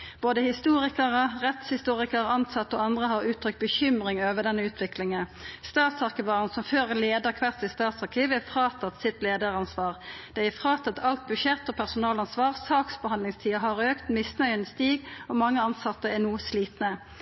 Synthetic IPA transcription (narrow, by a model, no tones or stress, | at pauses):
b̥oːd̪əhɪst̪uːʁɪkəʁəʁɛt̪shɪst̪uːʁɪkəʁɑnsɑt̪ːəɔɑnd̪ʁəɦɑʁʉːt̪ʰɾʁʏk̚t̪̚bəçʏmʁɪŋøːʋəʁd̪ɛnːəʉːt̪ʰʋɪklɪŋənst̪ɑːt̪sɑʁkəʋɑːʁənsɔmføːʁleːd̪əʁkʰʋæʁt̪sɪst̪ɑːt̪sɑʁkʰiːʋəæfʁɑːt̪ʰɑt̪sɪt̪leːd̪əʁɑnsʋɑːʁd̪̥ɛɪæfʁɑːt̪ʰɑt̪ʰɑlt̪̚bʉʃɛt̪ːɔpʰæʁsʊnɑːlɑnsʋɑːʁsɑːksbəhɑnd̪lɪŋst̪ʰiːəɦɑʁøːkt̪mɪsnœʏənəst̪iːɡɔmɑŋːəɑnsɑt̪ːəɛnuːsliːt̪nə